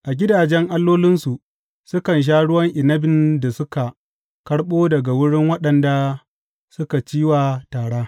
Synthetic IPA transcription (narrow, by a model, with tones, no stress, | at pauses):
ʔa˨ɡʲɪ˦daː˨d͡ʒɛ˦ŋʔa˦lːoː˦lɪ˦nsu˨ʔ | sʊ˦kɐ˨nʃ̬aː˦ɽʊ˦wɐ˦ŋʔɪ˨nɐ˦bɪ˨nda˨sʊ˦ka˨ | kɐ˦ɽɓoː˦dɐ˨ɡa˨wʊ˦ɽɪ˦ŋwɐ˦ɗɐ˨nda˨ | sʊ˦ka˨t͡ʃiː˦waː˨taː˨ɽaː˦